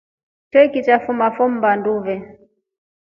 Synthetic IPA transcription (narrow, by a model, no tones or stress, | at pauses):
twɛkit͡ʃafumafɔm̩banduvɛ